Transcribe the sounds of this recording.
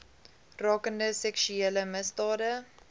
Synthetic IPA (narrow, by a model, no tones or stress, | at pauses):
rɑːkəndəsɛkʃyeːləməsdɑːdə